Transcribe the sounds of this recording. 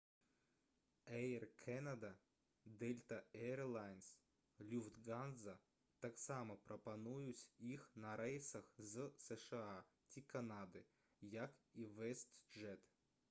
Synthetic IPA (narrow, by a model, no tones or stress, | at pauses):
ɛjrkʰɛnɐd̪ɐ | d̪ɛlʲt̪ɐɛrlˠajns | lʲufd̪ɡanzɐ | t̪aksamɐpɾʔɐpɐnujʊsʲixnɐɾɛjsɐxzsɛʂɨa | tʲikɐnad̪ɨ | jakiʋɛst̪ʐɛt̪